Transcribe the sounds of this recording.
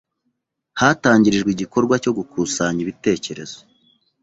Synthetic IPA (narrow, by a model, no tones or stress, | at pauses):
haːtaːɲɟiɾiʒɡwiɟiko̞ɾɡwaco̞ɡukʰuːsaɲiβite̞ːce̞ɾe̞z̥o̥